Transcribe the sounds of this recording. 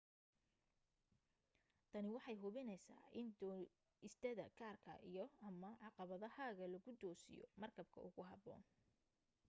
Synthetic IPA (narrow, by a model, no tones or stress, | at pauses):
t̪ʰɐnɪwɑħɑjɦʊβɪnɛjsa̰ːʔɪnd̪ɔ | ɪst̪ʰɐðɐ̰ɡʰaːrkʰɐ̰ʔijɞɐmɐʕɑqɑβɐðɐhaːɣɐlɐɣʊd̪ɔːsɪ̰jɔ̰mɐrkʰɐb̚kʰɐ̰ʔʊɣʊɦɑbɔ̰ːn